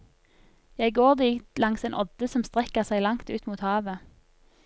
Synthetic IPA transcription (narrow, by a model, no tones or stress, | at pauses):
jæɪɡoːʁd̪iːt̪lɑŋseːnʔɔd̪̥əsɔmst̪ʁɛkəʁsæɪlɑŋt̪ʉːt̪muːt̪hɑːʋə